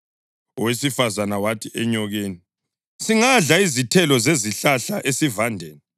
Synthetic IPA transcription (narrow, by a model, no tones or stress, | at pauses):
ɔwesifazanawatʰiʔɛɲɔɣeːni | siŋaɮaizitʰɛlɔzeziɬaɬaʔesivandʱɛːnɛ